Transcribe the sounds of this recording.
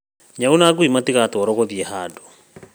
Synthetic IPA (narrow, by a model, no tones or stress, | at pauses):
ɲaunaːɡwimatiɣatɔɔɾɔɣɔðiɛhaːdɔ̥